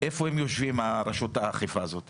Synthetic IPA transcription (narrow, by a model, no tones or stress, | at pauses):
efohemjoʃvimaɾɐʃut̪aːχivaːzo̞t̪